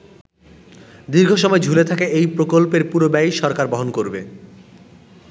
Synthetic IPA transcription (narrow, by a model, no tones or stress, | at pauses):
d̪iɾɡʱoʃɔmɔed͡ʑʱulet̪ʰakeʔejpɾokolpeɾpuɾobajʃɔɾkaɾbɔɦonkoɾbe